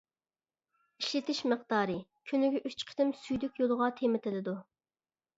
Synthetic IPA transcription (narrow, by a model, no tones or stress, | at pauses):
iʃlɪt̪ʰɪʃməqd̪ɑːɾɨkʲʰynɪɡʲɛʔyt͡ʃʰqʰə̥t̪ɪmsyjd̪ykʲjolˠəʁɑt̪ʰemɪt̪ʰɪlɪd̪u